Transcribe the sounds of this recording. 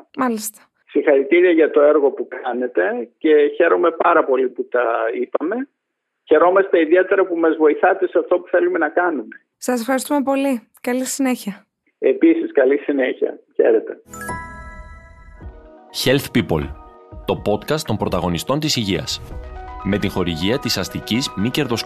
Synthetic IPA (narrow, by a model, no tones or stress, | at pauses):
mɐlist̪ɐ̥ | sixɐɾit̪iɾiɐʝɐt̪o̞eɾɣo̞pukɐne̞t̪e̞ce̞çe̞ɾo̞me̞pɐɾɐpo̞liput̪ɐipɐme̞ | çe̞ɾo̞mɐst̪eiðie̞t̪e̞ɾɐpumɐzvo̞iθɐt̪e̞seɐft̪opu̥θe̞lume̞nɐkɐnume̞ | sɐsefxɐɾist̪ume̞po̞li | kɐlisine̞çiɐ | episiskɐlisineçiɐ̰çe̞̰ɾet̪e̞ | çe̞lθpipo̞̰l | t̪o̞po̞t̪kɐst̪ompɾo̞t̪ɐɣo̞nist̪o̞nt̪isiʝiɐ̰sme̞t̪iŋxo̞ɾiʝiɐt̪isɐst̪icizmice̞ɾðo̞s